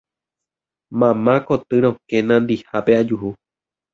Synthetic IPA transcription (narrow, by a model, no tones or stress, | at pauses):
mãmãkot̪ɨɾ̃õkẽnãnd̪ihape̞ad͡ʒuhu